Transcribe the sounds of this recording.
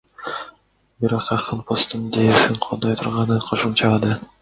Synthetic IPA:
biɾoqɑχɑnpʰost̪ɯnd̪eʃiɴqʰolˠd̪ɑjt̪ʰuɾʁɑnɯqʰo̞ʃumt͡ʃɑɑd̪ɯ

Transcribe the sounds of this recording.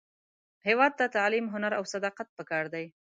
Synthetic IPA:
hewɑd̪̚t̪at̪alimɦʊnaɾa̰wsad̪ɑqat̪̚pəkɑɾd̪aj

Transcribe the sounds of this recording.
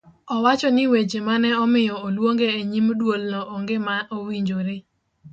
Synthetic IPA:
ɔwat͡ʃɔnɪwed͡ʒemanɛɔmɪjɔolwoŋɡeeɲimdwolnɔʔoŋɡɪmaowiɲd͡ʒoɾɪ

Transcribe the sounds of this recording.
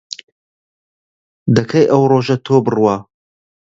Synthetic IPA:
d̪ɐkʰɐjʔɐwroːʒɐt̪ʰoːbɨrwɑ

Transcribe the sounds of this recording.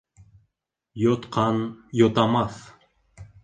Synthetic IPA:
jot̪qʰɑnjot̪ɑmɑθ

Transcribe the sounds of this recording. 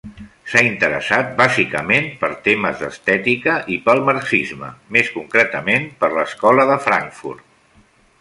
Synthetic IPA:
saint̪əɾə̰sat̪̚bazikəmenpəɾt̪eməzðə̰st̪ɛt̪ikəʔipəlˠməɾksizmə̰meskuŋkɾɛt̪əmenpəɾləskɔləðəfɾa̰ŋkfṵɾt̪

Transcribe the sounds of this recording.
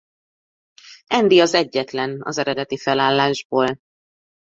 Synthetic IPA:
ɛnd̪iɒzɛɟːɛt̪lɛnɒ̰zɛɾɛd̪ɛt̪ifɛlaːlːaːʒboːl

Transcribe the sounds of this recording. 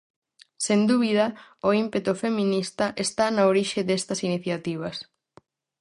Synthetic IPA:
send̪uβ̞ið̞ɐoimpet̪ufemĩnist̪ɐʔest̪anaoɾiʃɪðest̪ɐsiniθjat̪iβ̞ɐs

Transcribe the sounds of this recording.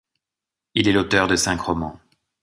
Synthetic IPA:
ilɛlot̪œʁd̪əsɛ̃kχɔmɑ̃

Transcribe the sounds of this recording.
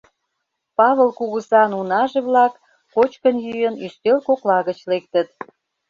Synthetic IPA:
pɑβə̆lkuɣəsɑnunɑʒeβlɑkː | ot͡ɕkənjyjənyst̪elkoklɑɣət͡ɕlek̚t̪ət̪̚

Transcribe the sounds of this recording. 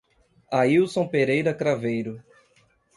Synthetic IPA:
aiwsõw̃peɾejɾɐkɾavejɾʊ

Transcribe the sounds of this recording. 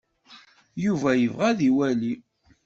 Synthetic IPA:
juvæjəvʁæðiwæli

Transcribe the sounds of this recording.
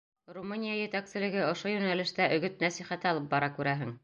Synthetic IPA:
rumunʲijajɘ̆t̪æksɘ̆lɘ̆ɡɘŏʃojʉnælɘ̆ʃt̪æʔɵ̆ɡɘt̪̚næsiχæt̪ɘɑlˠɤp̚bɑɾɑkʉɾæɦɘŋ

